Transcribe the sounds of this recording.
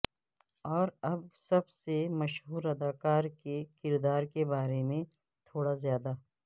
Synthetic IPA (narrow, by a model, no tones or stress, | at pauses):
ɔːɾɐbsɐbsemɐʃɦuːɾɐd̪aːkaːɾkekɪɾd̪aːɾkebaːɾemẽ | t̪ʰoːɽazjaːd̪a